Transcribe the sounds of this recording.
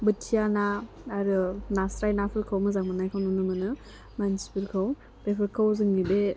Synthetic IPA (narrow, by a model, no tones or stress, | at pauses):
bɯtʰijana | aɾɯnasɾajnapʰɯɾkʰawmɯzaŋmɯnajkʰawnunɯmɯnɯ | mansi̥pɯɾkʰaw | bepʰɯɾkʰawzɯŋːibe